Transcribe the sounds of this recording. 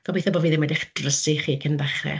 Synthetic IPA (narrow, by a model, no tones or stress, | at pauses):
ɡɔbejθɔbɔːviːðɪmɛdɪχd̥rəsiχiːkʰəndaχrɛ̰